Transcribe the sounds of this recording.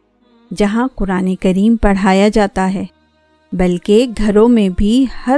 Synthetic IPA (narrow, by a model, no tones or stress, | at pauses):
d͡ʒɐɦãqʊɾaːnekɐɾiːmpɐɽ̤aːjad͡ʒaːt̪aɦɛː | bɐlkeɡʱɐɾõmẽbʱihɐ